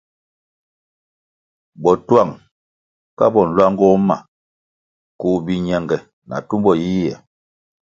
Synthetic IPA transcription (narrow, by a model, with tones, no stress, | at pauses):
bɔ˨twa˦˨ŋ | ka˦bɔ˨n̩˨lwa˦ŋ˦ɡɔ˦ma̰˨ | kuː˨bi˨ɲɛ˨ŋɡɛ˨ | nʔa̰˨tu˦mbɔ˦˨ji˦jɛ˨